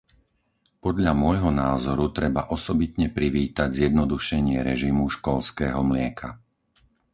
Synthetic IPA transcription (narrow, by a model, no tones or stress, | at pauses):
pɔd̪ʎamʊɔjɦɔnaːzɔɾut̪ɾɛbaʔɔsɔbit̪ɲɛpɾiʋiːt̪aɟzjɛd̪nɔd̪uʃɛɲɪɛɾɛʒimuʃkɔlskɛːɦɔmlɪɛkʰa